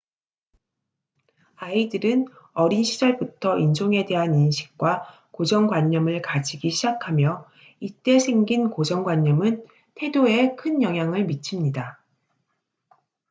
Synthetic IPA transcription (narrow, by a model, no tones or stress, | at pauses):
aidɯɾɯn | ʌɾinɕʰid͡ʑʌɭbutʰʌʔind͡ʑoŋe̞de̞ɦaninɕʰi̥k̚k͈wa | kod͡ʑʌŋɡwaɲːʌmɯɭkad͡ʑiɡiɕʰid͡ʑakʰamjʌ | it͈e̞sʰe̞ŋɡinkod͡ʑʌŋɡwaɲːʌmɯn | tʰe̞doe̞kʰɯnjʌŋɦjaŋɯɭmit͡ɕʰimɲida